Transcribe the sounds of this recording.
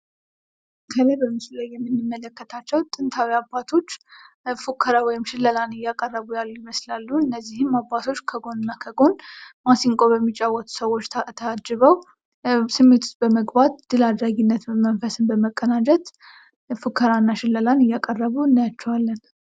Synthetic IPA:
kʰələbəmːɨsulajːɛmːɨnːɨmːələkːət̪ʰat͡ʃːɛwt̪ʼɨnt̪ʰawiabat̪ʰo̞t͡ʃː | fukʰːəɾawɔjɪmʃɪlːəlanɨjːakʼərːəβujalːujɪməslalːuɨnːəzːihɨmːabat̪ʰo̞t͡ʃːkʰəɡo̞nnːakʰəɡo̞nmasiŋkʼobəmːit͡ʃʼːawːɔt̪ʰu̥səwo̞t͡ʃːt̪ʰt̪ʰəad͡ʒɨβəw | sɨmːet̪ʰu̥t͡ʃbəməɡbat̪d̪̥ɨlad̪ɾaɡinːət̪mənfəsɨnbəməkʼːənad͡ʒɛt̪ | fukʰːəɾanːaʃɪlːəlanɨjakʼərːəβuɨnːajat͡ʃːɛwalːən

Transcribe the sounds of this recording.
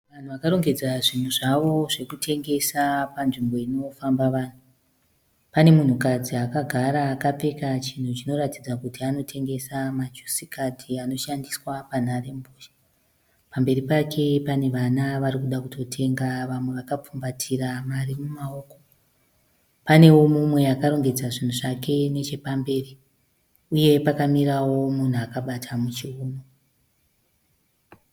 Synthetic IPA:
ʋan̤uʋakaɾo̞ŋɡe̞d͡zaʐin̤uʐaʋo̞ʐe̞kutʰe̞ŋɡe̞sapanʐimbo̞ino̞fambaʋaːn̤u | pane̞mun̤ukad͡ziakaɡʱaɾaːkap͡fekat͡ʃin̤ut͡ʃino̞ɾatid͡zakutiano̞tʰe̞ŋɡe̞samat͡ʃu̥sikatʰiano̞ʃandiswapan̤are̞mboːʃḁ | pambe̞ɾipakʰe̞pane̞ʋanaʋaɾikuɗakutʰo̞tʰe̞ŋɡaʋamwe̞ʋakap͡fumbatʰiramarimumao̞ːko̞ | pane̞womumwe̞akaɾo̞ŋɡe̞d͡zaʐin̤uʐake̞ne̞t͡ʃe̞pambe̞ːri | uje̞pakamiɾawo̞mun̤uakaɓatʰamut͡ʃiuːno

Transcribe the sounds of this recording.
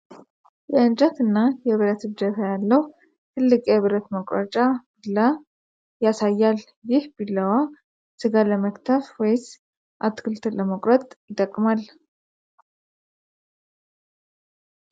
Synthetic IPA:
jɛɨnd͡ʒət̪ɨnːajɛβɨɾət̪ɨd͡ʒəfajalːəw | t̪ʰɨlːɨkʼjɛβɨɾət̪məkʼɾə̰t͡ʃʼab̥ilːa | jasajːal | jɪhbilːəwa | sɨɡaləməkt̪ʰəfwɔjs | ʔat̪ːkʰɨlt̪ʰɨlːəməkʼɾət̪ʼjɪt̪ʼːəkʼːmal

